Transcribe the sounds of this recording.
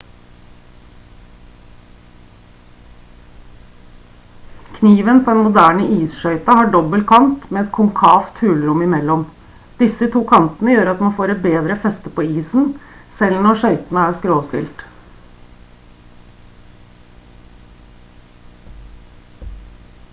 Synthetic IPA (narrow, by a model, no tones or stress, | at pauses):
kʰniːʋənpʰɔːɛnmʊd̪æːɳəʔiːsʃœʏt̪ɑhɑːɖɔbəlkʰɑnt̪meːɛt̪kʰʊŋkʰɑːft̪hʉːlɾʊmɪmɛlːɔm | d̪ɪsət̪ʰuːkʰɑnt̪ənəjøːɾɑt̪mɑnfoːɾɛt̪̚beːd̪ɾəfɛst̪əpʰoːiːsn̩sɛlnɔɾʂœʏt̪ən̩əæːɾskɾoːst̪ɪ̰lt̪